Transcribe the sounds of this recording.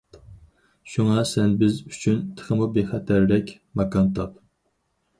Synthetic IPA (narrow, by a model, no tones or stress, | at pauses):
ʃuŋɑsɛnbɪzyt͡ʃʰynt̪ʰə̥χəmubeχɛt̪ʰæɾlɛkʲ | mɑkɑnt̪ɑp